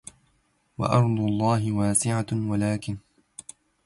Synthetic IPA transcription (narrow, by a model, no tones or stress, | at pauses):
wa̰ʔɑɾˤd̪ˤʊlˤːɑːɦɪwaːsɪʕawalaːkɪn